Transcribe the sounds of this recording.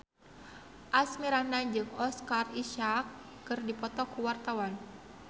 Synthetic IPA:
ʔasmiɾanaɲd͡ʒɨŋɔskariʃakː | ɨrdipɔt̪ɔkuwart̪awan

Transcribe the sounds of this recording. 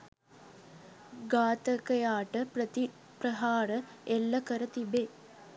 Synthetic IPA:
ɡaːt̪əkəjaːʈəpət̪i | pɾəɦaːɾə | elːɐkəɾət̪ibe

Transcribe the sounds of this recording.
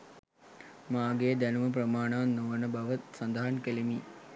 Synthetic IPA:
maːɡeːd̪ænuməp̬rəmaːɳaːnːoʋənəbaʋət̪sand̪əɦankelemiː

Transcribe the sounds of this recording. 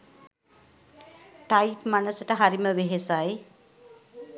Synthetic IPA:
ʈajpmanəsəʈəɦaɾiməʋeɦesaj

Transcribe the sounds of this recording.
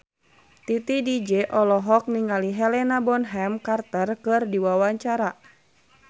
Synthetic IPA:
t̪it̪idid͡ʒɛʔɔlɔɦɔk̚niŋaliɦɛlɛnabɔnɦɛmkart̪ərkɨrdiwawaɲt͡ʃaɾa

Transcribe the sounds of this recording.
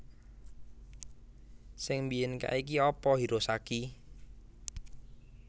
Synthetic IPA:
sɪŋmbiɪnka̰ʔikiɔpɔɦiɾosaki

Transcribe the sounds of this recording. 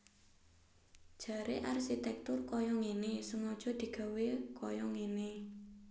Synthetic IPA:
d̥ʒ̥ä̤ɾʔeʔarʃit̪ɛk̚t̪ʊrkɔjɔŋenesəŋɔd̥ʒ̥ɔ̤d̪̥i̤ɡ̥a̤wekʰɔjɔŋene

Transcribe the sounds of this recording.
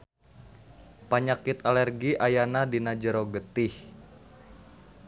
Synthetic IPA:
paɲakit̪alɛrɡiʔajanadinad͡ʒəɾoɡət̪ɪh

